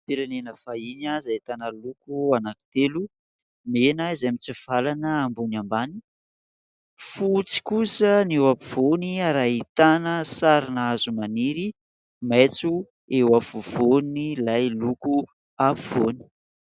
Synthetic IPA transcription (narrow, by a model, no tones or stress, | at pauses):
piɾenenəfaiɲazait̪anəlukuanaki̥t̪elu | menaizamit͡siv̥alanəambonambani̥ | fut͡si̥kusənewapiv̥oniaɾaɦit̪anəsaɾinazumaniɾi | mejt͡su | ewafuvonilajluku | apiv̥oni̥